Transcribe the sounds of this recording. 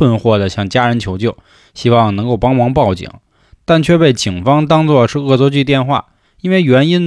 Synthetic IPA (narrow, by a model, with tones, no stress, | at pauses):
ə˥˧nxwɔ˥˩d̪ə˩ɕjɑ˥˩ŋt͡ɕja˥ɻə˧˥nt͡ɕʰjo˧˥ʊt͡ɕjo˥˩ʊ | ɕi˥wɑ˥˩ŋnɤ˧˥ŋko˥˩ʊpɑ˥ŋmɑ˧˥ŋpɑ˥˩ʊt͡ɕḭ˨˩˦ŋ | t̪a˥˩nt͡ɕʰɥɛ˥˧pe˥˩ɪt͡ɕi˨˩ŋfɑ˥ŋt̪ɑ˥ŋt͡swɔ˥˧ʂɻ̩˥˧ɤ˥˧˩t͡swɔ˥t͡ɕy˥˧t̪̬jɛ˥˧nxwa̰˥˩ | i˥nwe˥˩ɪɥɛ˧˥ni˥n